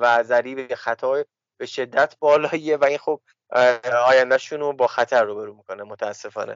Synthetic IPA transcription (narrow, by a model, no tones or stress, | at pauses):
væzæɾiːbexæt̪ʰɒː | b̥e̞ʃe̞d̪ːæt̪ʰbɒːlɒːievæinxob̚ | ɒːjænd̪æʃunobɒːxæt̪ʰæɾːuːbe̞ɾuːmiko̞nemot̪ʰææsːe̞fɒ̰ːnḛ